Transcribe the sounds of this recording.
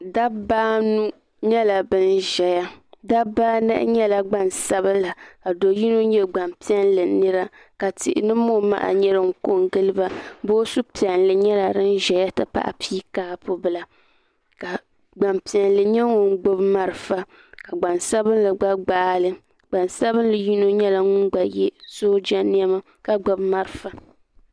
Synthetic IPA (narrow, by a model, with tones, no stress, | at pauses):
da˦baː˦nu˦ | ɲɛ˦la˨bɨ˦nʒɛ˨ja˦da˦baː˦nɛ̰˦ʔɲɛ˦la˨ɡ͡ba˦nsa˦bɨ˦la˨ka˨do˨ji˦no˦ɲɛ˦ɡ͡ba˨mpi˦ɛ˦nlɨ˨nɨ˦ɾa˦ | ka˨tɪ˨ʔɪ̰˨nɨ˦mːo˦ma̰˦ʔa̰˨ɲɛ˦ɾɨ˦ŋ̩˦ko˦ŋɡɨ˦lɨ˦ba˦bo˦su˦pi˨ɛ˨nlɨ˨ɲɛ˦la˨ɾɨ˦n˦ʒɛ˨ja˦tɨ˦pa̰˦ʔa̰˨pʰiː˦kaː˦pʊ˦bɨ˦la˨ | ka˨ | ɡ͡ba˨mpi˨ɛ˨nlɨ˨ɲɛ˦ŋʊ˦ŋ˦ɡ͡bo˦bma˦ɾɨ˦fa˦ | ka˨ɡ͡ba˨nsa˦bɨ˦n˦lɨ˨ɡ͡ba˦ɡ͡baː˦lɨ˦ | ɡ͡ba˨nsa˦bɨ˦n˦lɨ˨ji˦no˦ɲɛ˦la˨ŋʊ˦nɡ͡ba˨jɛ˦soː˦d͡ʒa˦ni˦a˦ma˦ | ka˦ɡ͡ba˨bma˦ɾɨ˨fa˨